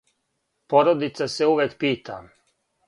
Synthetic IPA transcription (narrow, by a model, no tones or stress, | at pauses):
poɾod̪it̪saseuʋekpiːt̪ʰa̰m